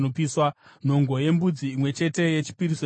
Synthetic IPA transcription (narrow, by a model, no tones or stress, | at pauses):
opiswan̤o̞ŋɡo̞je̞mbud͡ziːmwe̞t͡ʃe̞te̞je̞t͡ʃi̥piɾiso